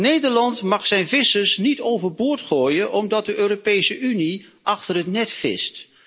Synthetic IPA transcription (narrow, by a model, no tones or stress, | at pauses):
nejdəɹlɑntmɑχsɛjnvɪsəsnitowvəɹbʊːɹtχoːjənʔɔmdɑt̚dəʔøːropejsəʔyniʔɑχtərɦətnɛtfɪ̰st